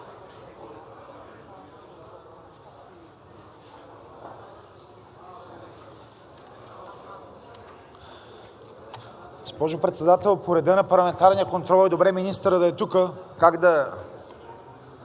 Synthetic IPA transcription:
ɡospɔʒopɾɛt̪sɛd̪at̪ɛlˠpʰoɾɛd̪ənɐpɐɾlˠɐmɛnt̪aɾnijəkont̪ɾɔlˠid̪obɾɛminist̪əɾəd̪ɐɛt̪ukəkaɡd̪ɐ

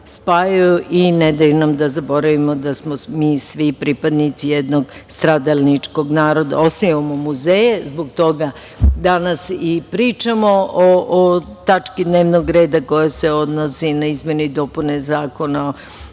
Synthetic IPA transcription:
spaːjajuʔined̪ajunamd̪azabo̞ɾaʋimo̞d̪asmomiːsʋipɾipad̪nit̪sijed̪no̞ɡst̪ɾad̪alnit͡ʂko̞ɡnaːɾod̪a̰o̞st̪ajʋamomuzejezboɡt̪o̞ɡa | d̪anasipɾiːt͡ʃamoʔoʔot̪at͡ʃkid̪neːʋnoɡɾe̞ːd̪ako̞jaseo̞d̪nosinaizmje̞ned̪o̞punezaːko̞nao

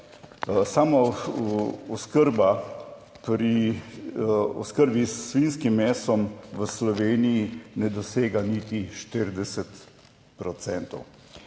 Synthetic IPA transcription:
sama | ɔskəɾba | pɾi | ɔskəɾbisːʋinskimːɛːsɔmʋəslɔʋeːnijinɛd̪ɔseːɡanit̪iʃt̪əɾd̪ɛsɛt̪ | pɾɔt̪sɛnt̪ɔ̰w

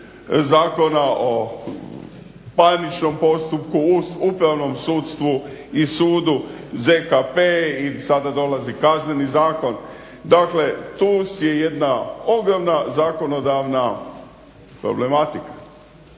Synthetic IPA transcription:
zaːko̞naʔo | panit͡ʃno̞mpo̞st̪upkuupɾaʋno̞msuːt̪st̪ʋuisuːd̪u | zekapeisad̪ad̪o̞lazikazne̞nizaːko̞n | d̪akle̞t̪usjeje̞d̪nao̞ɡɾomnazaːko̞no̞d̪aʋna | pɾo̞̰ble̞mat̪ikḁ

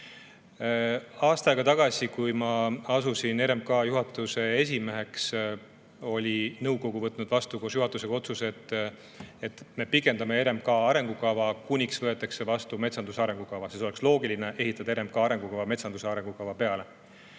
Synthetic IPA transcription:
ɑːst̪ɑjɡ̥ɑt̪ɑɡ̥ɑsikujmɑɑsusine̞ɾe̞mkɑːjuɦɑt̪ːˑuse̞e̞s̬ʲime̞ɦe̞ks | o̞lʲinɤwko̞ɡuvɤt̪ːˑnud̪̥vɑst̪ukoːsjuɦɑt̪ːˑuseko̞t̪suse̞t̪ːˑ | e̞t̪me̞pikːˑe̞nd̪ɑmee̞ɾe̞mkɑːɑɾe̞ŋɡ̥ukɑvɑkunʲiksvɤ̞e̞t̪ːˑɑkse̞vɑst̪ume̞t̪sɑnd̪usɑɾe̞ŋɡ̥ukɑvɑsiso̞le̞kslo̞ːɡilineʔe̞ɦit̪ːˑɑd̪̥ɑeɾe̞mkɑːɑɾe̞ŋɡ̥ukɑvɑme̞t̪sɑnd̪useɑɾe̞ŋɡ̥ukɑvɑpe̞ɑle̞

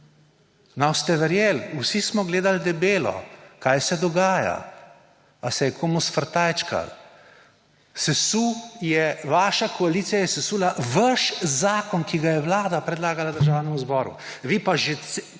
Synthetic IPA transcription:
nɔwst̪ɛʋɛɾjeːlusismɔɡleːd̪ald̪ɛbeːlɔ̰kaːjsɛd̪ɔɡaːja̰ | asɛjɛkʰomusfəɾt̪ajt͡ʃka̰l | sɛsujɛʋaːʃakɔaliːt̪sijajɛsɛsulaʋəʃzaːkɔnkiɡajɛʋlaːd̪apɾɛd̪laːɡalad̪əɾʒawnɛmuzbɔːɾṵ | ʋipaʒe

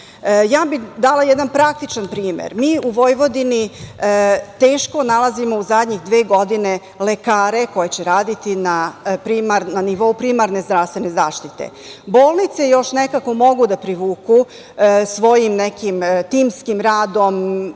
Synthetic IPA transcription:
jaːbid̪alajɛd̪anpɾak̚t̪it͡ʃanpɾiːmḛɾmiːuʋo̞jʋo̞d̪ini | t̪eːʃko̞nalazimo̞uzad̪ʲɲixd̪ʋeːɡo̞d̪ine̞ | lekaːɾe̞ko̞jet͡ɕeɾaːd̪it̪inapɾimaɾnaniʋo̞upɾimaɾnezd̪ɾafst̪ʋe̞ne̞zaːʃt̪it̪ḛ | boːlˠnit̪sejo̞ʃnekako̞mo̞ɡud̪apɾiʋuːku | sʋo̞jimnekimt̪iːmskimɾaːd̪o̞m

